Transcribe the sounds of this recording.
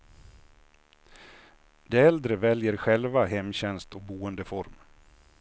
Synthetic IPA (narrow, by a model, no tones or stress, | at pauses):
d̪ɛɛld̪ɾəvɛljəɾɧɛlvaɦɛmːɕɛnst̪ɔk̚buːənd̪əfɔɾm